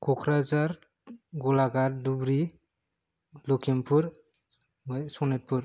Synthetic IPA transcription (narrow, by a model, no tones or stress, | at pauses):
kʰɔkʰɾazaɾ | ɡulaɡaɾdubɾi | lokʰimpʰuɾ | mɔjsɔnet̚pʰuɾ